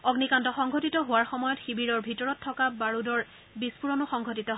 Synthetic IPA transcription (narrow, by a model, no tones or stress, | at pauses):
ɔɡnikantɔxɔŋɡʱɔtitɔɦʊwaɹxɔmɔjɔtxibiɹɔɹbʱitɔɹɔtʰːɔkabaɹudɔɹ | bispuɹɔnʊxɔŋɡʱɔtitɔ